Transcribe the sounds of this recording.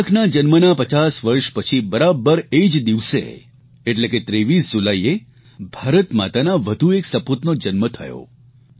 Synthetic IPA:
kʰnad͡ʒənmənapət͡ʃasʋəɾʃpət͡ʃʰibəɾabːəɾed͡ʒd̪iʋsḛ | eʈleket̪ɾeʋisd͡ʒulaie | bʱaɾət̪ma̰t̪anaʋəd̪ʱueksəput̪nod͡ʒənmət̪ʰəjo̰

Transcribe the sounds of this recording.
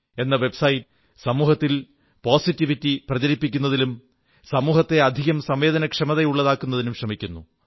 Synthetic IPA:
e̞nːɐʋe̞bsɐjt | sɐmuːɦɐt̪ːil | poːsitːiʋitːiprɐd͡ʑɐɾipːikʲːunːɐðilum | sɐmuːɦɐt̪ːe̞ɐd̪ʱiɣɐmsɐmʋe̞ːd̪ɐnɐkʂɐmɐðɐjuɭːɐðaːkːunːɐðinumʂrɐmikʲːunːṵ

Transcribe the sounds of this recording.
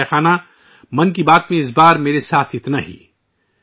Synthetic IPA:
xaːna | mɐnk̬ibaːt̪mẽɪs̬baːɾmeːɾesaːt̪ʰɪt̪naɦḭː

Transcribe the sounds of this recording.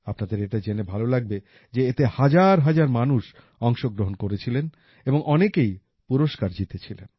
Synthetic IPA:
apnad̪eɾeʈad͡ʑenebʱalolaɡ̚be | d͡ʑeet̪ehad͡ʑaɾɦad͡ʑaɾmanuʃ | ɔŋʃoɡɾoɦonkoɾet͡ɕʰilen | eboŋʔɔnekej | puɾoʃkaɾd͡ʑit̪et͡ɕʰilḛn

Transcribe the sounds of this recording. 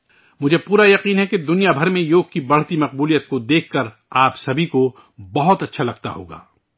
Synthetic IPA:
mʊd͡ʒʱepuːɾajɐqiːnɦɛked̪ʊnijabʱɐɾmẽjoːɡ̚kibɐɽ̤t̪imɐq̚buːlijət̪̚kod̪eːkʰːɐɾ | aːpsɐbʱiko | bɐɦʊt̪ɐtːʃʰalɐɡ̚t̪a̰ɦo̰ːɡa̰ː

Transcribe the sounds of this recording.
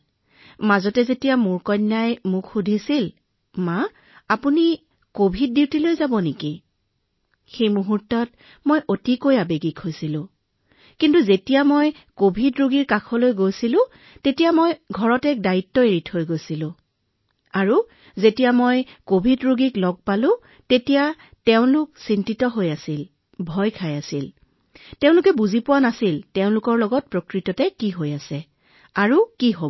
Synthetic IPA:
mazɔtɛzetijamʊɹkɔnːajmʊkʰxudʱisil | ma | apuni | kobʱit̚ːiwtilojzabɔniki | xejmuɦuɹtːɔt | mojʔotikojabeɡikhojsilʊ̃ | kintuzetijamoj | kobʱidɹuɡiɹkakʰɔlojɡojsilʊ̃ | tetijamojɡʱɔɹɔtɛk̚daitːɔeɹithojɡojsilʊ̃ | aɹu | zetijamojkobʱidɹuɡiklɔɡ̚palʊ̃ | tetija | tɛʊ̃lʊksintitɔɦojasil | bʱɔjkʰajasil | teʊ̃lʊkɛbuzipʊwanasilteʊ̃lʊkɔɹlɔɡɔt̚pɹokɹitɔtɛkiɦojasɛ | aɹukiɦobɔ

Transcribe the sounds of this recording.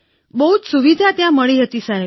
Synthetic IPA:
bəɦut͡ssuʋid̪ʱat̪jãməɭiɦət̪isaɦe

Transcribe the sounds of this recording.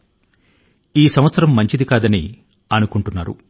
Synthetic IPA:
iːsɐmʋɐt̪sɐɾɐmːɐɲt͡ʃid̪ikaːd̪ɐni | ɐnukuɳʈunːaːɾṵ

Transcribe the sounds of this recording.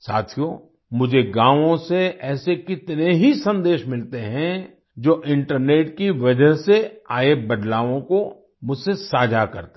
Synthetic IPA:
sa̰ːt̪ʰijo | mʊd͡ʒʱeɡãːʋõseʔɛːsekɪt̪neɦisɐ̃nd̪eːʃmɪlt̪eɦɛ̃ | d͡ʒoːʔɪ̃ɳʈəɾneːʈkiʋɐd͡ʒəɦseaːebɐɖlaːʋõko | mʊd͡ʒʱsesaːd͡ʒʱakɐɾt̪e

